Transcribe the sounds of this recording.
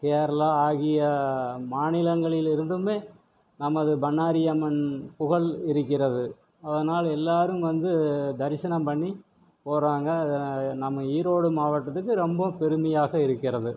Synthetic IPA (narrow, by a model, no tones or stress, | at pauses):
keːɾɐlaaːɣɪjɐmaːnɪlɐŋɡɐɭɪlɪɾɯnd̪ɯmeː | nɐmɐðɯbɐnːaːɾɪjɐmɐnpʊɣɐɭɪɾɯkːɪrɐðɯ | ɐðɐnaːlɛlːaːɾɯmʋɐnd̪ɯd̪ɐɾɪsɐnɐmpɐɳːi | poːɾaːŋɡɐnɐmːɐiːɾoːɽɯmaːʋɐʈːɐt̪ːɯkːɯɾɔmbɐpɛɾɯmɐjaːɣɐɪɾɯkːɪrɐðɯ